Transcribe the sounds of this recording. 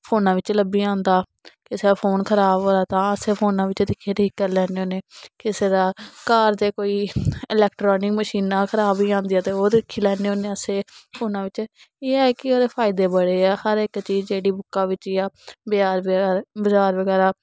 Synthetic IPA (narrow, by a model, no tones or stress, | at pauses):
pʰoːnãːʋɪt͡ʃləbiːãːnd̪aː | kɪseaːpʰoːnkʰəɾaːbɦoːɾaːt̪ãːəseːpʰoːnãːʋɪt͡ʃd̪ɪkʰːeːʈʰiːkːəɾlɛːneːoːneːkɪseːɾaːkaːɾd̪eːkoːiːɪlɛːkʈɾɔːnɪkməʃiːnãːkʰəɾaːbiːãːnd̪iːaːt̪eːoːd̪ɪkʰːiːlɛːneːɦoːneːəseːpʰoːnãːʋɪt͡ʃ | eːɛːkɪoːɾeːpʰaːɪd̪eːbəɽeːɛːhəɾɪkt͡ʃiːzd͡ʒeːɽiːbʊkːãːʋɪt͡ʃjaːbɪaːɾbəzaːɾʋəɡɛːɾaː